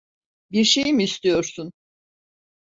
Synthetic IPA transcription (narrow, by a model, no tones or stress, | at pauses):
biɾʃe̞jimiːst̪ʰijo̞ɾsun